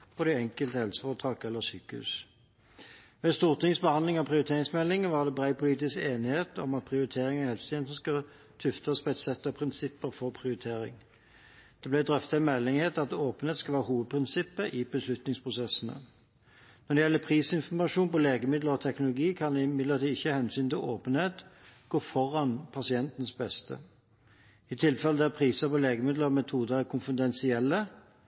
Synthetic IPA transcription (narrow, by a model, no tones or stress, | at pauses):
pʰɔd̪ɛɛŋkəlt̪əhɛlsə̥fɔʁt̪ʰɑːkɛlːəsyːkəhʉ̰ːs | ʋɛːst̪uːʁt̪ʰɪŋsbəhɑnɪŋɑpʰʁɪʊɾɪt̪ʰeːʁɪŋsmɛlːɪŋəʋɑʁd̪ɛbʁæɪpʰʊliːt̪ɪskeːnɪheːt̪ɔ̰mɑt̪̚pʰʁɪʊɾɪt̪ʰeːʁɪŋhɛlfst̪ʰɛnsəskɑ | t̪ʰʉft̪ɑspɛt̪sɛt̪ːɔpʰʁɪnsɪpːəfɔʁpʰʁɪʊʁɪt̪ʰeːɾɪ̰ŋ | d̪̥ɛblæɪd̪ʁœft̪ɑɛmɛlːɪŋheːt̪ɑt̪oːpənheːt̪skɑlʋæːʁəhuːʋəd̪̚pʰʁɪnsɪpːəʔɪbəslʉt̪nɪŋspʰʁʊsɛsnə̰ | nɔd̪ɛjɛlːəpʰʁiːsɪnfɔmɑʂuːnpɔleːɡəmɪd̪ləʁɔt̪ʰɛknʊlʊɡiːkʰɑnd̪ɪmɪd̪ləʁt̪ɪɪçːəhɛnsyːnt̪ɪloːpənheːt̪ɡ̥oːfɔʁɑnpʰɑsɪɛnt̪ən̩sbɛst̪ʰə̰ | ɪt̪ʰɪlfɛləd̪æpʰʁiːsəpɔleːɡəmɪd̪ləɔmɛt̪ʰuːd̪əʁækʰʊnfɪd̪ɛnsɪɛlːə